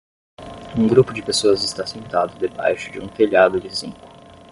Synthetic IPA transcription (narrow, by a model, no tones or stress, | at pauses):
ũɡɾupʊd͡ʒɪpesoɐzɪst̪asẽnt̪ad̪ʊd̪eba̰jʃʊd͡ʒɪ̰ũfeʎad̪ʊd͡ʒɪsĩkʊ̥